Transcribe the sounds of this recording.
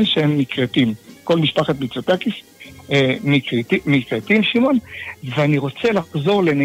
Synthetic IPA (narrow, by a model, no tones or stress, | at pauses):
lʃeemːit͡slat̪imko̞lmiʃpaχat̪̚mit͡sot̪akif | emit̪imit͡sat̪imʃimo̞nveaniʁo̞t͡selaχzo̞ʁlena